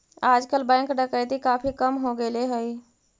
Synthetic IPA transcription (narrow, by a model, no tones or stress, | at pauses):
ad͡ʒkəlbɛ̃ŋkɖəkəjd̪ikapʰikəmɦoɡeleɦəɪ